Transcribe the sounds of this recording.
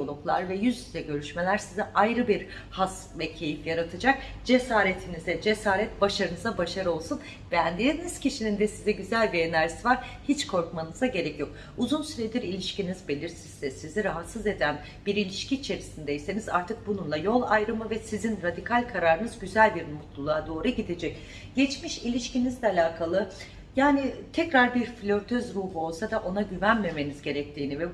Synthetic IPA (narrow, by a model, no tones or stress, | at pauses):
olˠuklˠa̰ɾvɛjyzizɛɟø̞ɾyʃme̞lʲæɾsizɛʔajɾɯbiɾ | has | vɛcʰe̞jifjaɾat̪ʰɯd͡ʒak̚ | d͡ʒe̞saːɾet̪ʰinizɛd͡ʒe̞saːɾɛt̪̚baʃaɾɯnɯzabaʃaɾɯo̞lˠsun | bɛænd̪einiz̥cʰiʃinind̪ɛsizɛɟyzælʲbienæɾsivaɾ̥hit͡ʃkʰo̞ɾkmanɯzaɟe̞ɾɛcjo̞k̚ | uzunsyɾed̪iɾilʲiʃcinizbe̞lʲiɾsizːɛsiziɾaɦat̪sɯze̞d̪æn | biɾilʲiʃcʰiːt͡ʃʰe̞ɾisind̪ejise̞nizaɾt̪ʰɯk̚bununlˠajo̞lˠajɾɯmɯvɛsizinɾad̪ikʰalʲkʰaɾaɾɯnɯzɟyzælʲbiɾmut̪lˠulˠad̪o̞ːɾuɟid̪ed͡ʒɛc | ɟ̥ɛt͡ʃmiʃilʲiʃcinizd̪ʲɛalʲaːkʰalˠɯ | jaːnit̪ʰɛcɾaɾbiɾflʲøɾt̪ʰøzɾuːbuo̞lˠsad̪aʔo̞naɟyvænme̞me̞nizɟe̞ɾɛc̚t̪ʰiːnivɛ